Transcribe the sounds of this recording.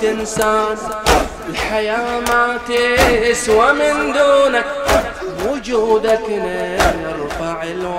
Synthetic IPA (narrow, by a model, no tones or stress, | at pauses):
ɪnsaːn | lħajaːmat̪eɪswamɪnd̪uːnak | mʊd͡ʒud̪akɪne | ɾˤʊfaʕɪlw